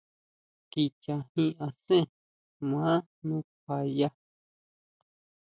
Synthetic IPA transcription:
ki˧t͡ʃa˨hĩ˦ʔã˧sẽ˦˨ | mã˨˦ | nũ˦k̚ʷa˨ja˦

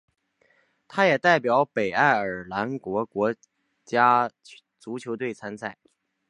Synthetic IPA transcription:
t̪ʰa˥jɛ˨˩t̪a˥˩ɪpjɑ˨˧˥ʊpe˨˩ɪa˥˩ɪə˞˨˩la˧˥nkwɔ˧˥kwɔ˧˥ | t͡ɕja˥ | t͡su˧˥t͡ɕʰjo˧˥ʊt̪we˥˩ɪt͡sʰa˥nsʰa˥˩ɪ

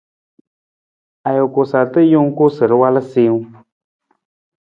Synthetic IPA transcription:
a˨jo˨ko˨sa˨ɾt̪ɨ˦jo˦ŋ˦ku˦sɨ˨ɾɨ˦wa˦lɨ˦si˧˦ŋ˦

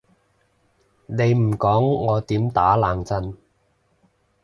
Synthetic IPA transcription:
ne˨˧jm̩˨˩kɔː˨˥ŋːɔː˨˧t̪iː˨˥mt̪aː˨˥laː˨˩ŋt͡sɐ˧n

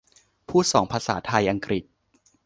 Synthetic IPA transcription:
pʰuː˥˩sɔː˩˦ŋpʰaː˧sa̰ː˩˦t̪ʰa˧jʔa˧ŋkɾi˨˩t̪̚

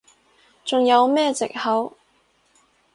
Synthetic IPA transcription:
t͡sʊ˨ŋjɐ˨˧wmɛː˥t͡sɪ̰˨k̚hɐ˨˥w

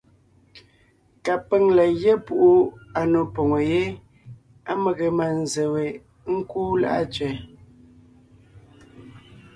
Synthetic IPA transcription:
ka˨pe˦ŋla˨je˦pu˨ʔu˦a˨no˨po˨ŋo˨je˦ | a˦me˨ɣe˨ma˨n˨ze˨we˨˦ | ŋ̩˦kuː˦la̰˦ʔa̰˦˨t͡ʃɥɛ˨

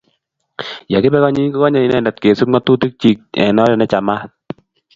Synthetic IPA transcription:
ja˨kɪ˦bɛ˦kɔ˦ɲi˦kɔ˦kɔ˦ɲa˨i˨˦nɛ˦˨nda˨tke˨su˦tŋɔ˦t̪u˦˨ti˦k̚t͡ʃi˨k̚ɛ̰˨nɔ˦dɛ˨nɛ˦t͡ʃa˨ma˦t̚

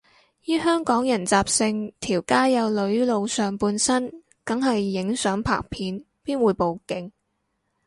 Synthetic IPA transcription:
jyː˥ɦœː˥ŋkɔː˨˥ŋjɐ˨˩nt͡saː˨p̚sɪ˧ŋt̪ʰiː˨˩wkaː˥jɐ˨˧wlɵ˨˧ɥlo˨˧wsœː˨ŋpuː˧nsɐ˥n | kɐ˨˥ŋɦɐ˨jːɪ˨˥ŋsœː˨˥ŋpʰa̰ː˨˩k̚pʰiː˨˧n | piː˥nwuː˨˧jpo˨wkɪ˧ŋ

